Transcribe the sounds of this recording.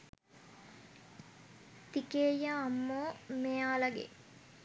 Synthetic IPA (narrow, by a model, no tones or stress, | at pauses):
t̪ikeːjəɐmːoːmejaːlɐɡḛ